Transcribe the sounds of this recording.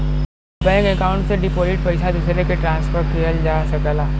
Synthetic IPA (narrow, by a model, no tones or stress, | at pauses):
bɛ̃kekaːʊ̃ɳʈseɖɪpoːzɪʈ̚pɐɪsad̪usɾekeʈɾãːnspʰəɾʈkiɦəld͡ʒaːsɐkəlaː